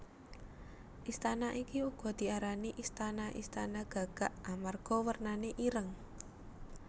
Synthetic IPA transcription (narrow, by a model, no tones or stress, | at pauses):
ʔist̪anaʔikiuɡ̥ɔ̤d̪̥i̤aɾaniʔist̪anaʔḭst̪anaɡ̥a̤ɡ̥a̤ʔamarɡ̥ɔwərnaneʔiɾəŋ